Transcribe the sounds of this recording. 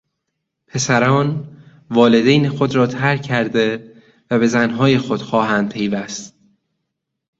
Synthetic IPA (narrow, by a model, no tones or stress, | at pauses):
pʰe̞sæɾɒːn | vɒːle̞d̪ejnexod̪ɾɒːt̪ʰæɾkʰːæɾd̪e̞ | væbe̞zænɦɒːjexod̪̥xɒːɦæːnd̪̚pʰe̞jvæst̪